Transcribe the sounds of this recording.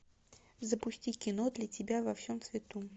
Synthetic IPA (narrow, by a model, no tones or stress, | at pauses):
zəpʊsʲtʲikʲɪno̞d̪lʲɐtʲɪbʲavɐfsʲomsvʲɪt̪u